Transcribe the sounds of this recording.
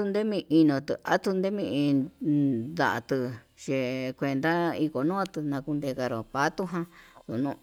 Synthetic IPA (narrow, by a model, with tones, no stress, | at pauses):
u˧nd̪e˦mĩ˧ʔi˧nõ˧˨t̪ɨ˧˨a˦t̪u˧nd̪e˦mĩ˧ʔĩ˧ | d̪a̰˨ʔa̰˧t̪ɨ˧ | ʃe˧kʷe˧nd̪a˦i˧ko˨nũ˦a˧t̪ɨ˧nã˧ku˧nd̪e˧ka˧ɾo˨pa˦t̪u˦ɦã˧t̪u˨nũ˦˧